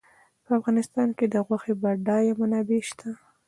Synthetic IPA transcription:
pəafɣɑnɪst̪ɑnked̪əɣwaxebaɖɑjamanɑbeʃt̪ʰa

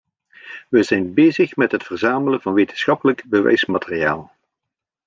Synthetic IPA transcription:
ʋəzɛjnbeːjzəχmɛtɦətfərzaːmələnvɑnʋejtənsxɑpələɡbəʋɛ̰jsmaːtərijaːlˠ

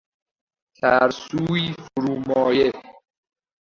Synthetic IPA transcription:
t̪ʰæɾsuːiːfoɾuːmɒːje

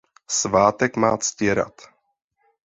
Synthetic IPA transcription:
svaːt̪ɛkma̰ːscɛɾa̰t̪

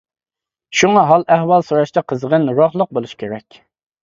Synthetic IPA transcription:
ʃuŋɑɦɑlˠʔæhwɑlˠsoɾɑʃt̪ʰɑqʰəzəʁənɾoχlˠəq̚bolˠuʃkʲʰeɾɛkʲ

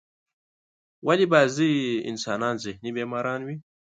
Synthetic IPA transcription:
walibaːziḭnsaːnaːnzihnibeːmaːɾaːnwi

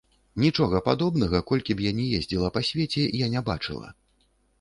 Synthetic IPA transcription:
nʲit͡ʂɔɣɐpad̪ɔbnɐɣɐkɔlʲkʲibjanʲɛjezʲd͡zʲilˠɐpasʲvʲet͡sʲɛjanʲɛba̰t͡ʂɨ̰lˠɐ̰

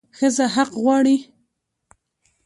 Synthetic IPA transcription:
xəzaɦaqɣwɑɽi

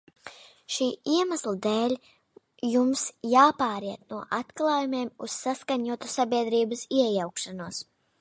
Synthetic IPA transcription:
ʃiːiɛmaslˠad̪ɛːlʲ | jumsjaːpaːɾiɛt̪̚nuɔʔat̪klˠaːjumʲeːmuz̥ːaskaɲuɔt̪usabʲiɛd̪ɾiːbəsiɛjawkʃanuɔs

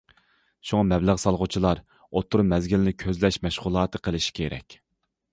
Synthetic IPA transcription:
ʃuŋɑmɛbləʁsɑlˠʁʊt͡ʃʰilˠɑɾ | ot̪ʰːʊɾmɛzɡʲilɪnɪkʲʰøzlɛʃmɛʃʁʊlˠɑːt̪ʰɨqʰəlˠɪʃi̥kʲʰeɾɛ̰kʲ

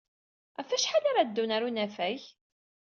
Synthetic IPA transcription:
æfæʃħalaɾad̪ːunaɾunæfæç

